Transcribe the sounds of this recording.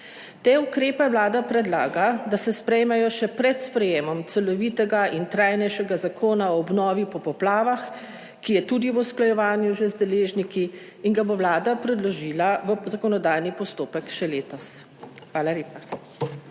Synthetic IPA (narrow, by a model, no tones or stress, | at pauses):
t̪eːukɾeːpɛʋlaːd̪apɾɛd̪laːɡad̪asɛspɾɛjmɛjɔʃɛpɾɛt̪spɾɛjeːmɔmt̪sɛlɔʋiːt̪ɛɡaint̪ɾajnɛjʃɛɡazakʰoːnaɔːbnɔːʋipɔpɔplaːʋax | kijɛt̪ud̪iʋusklajɛʋaːnjuʒɛzd̪ɛleːʒnikiː | ŋɡaboʋlaːd̪apɾɛd̪lɔʒiːlaʋəzakɔnɔd̪aːjnipɔst̪oːpɛkʃɛleːt̪ɔs | xʋaːlaleːpa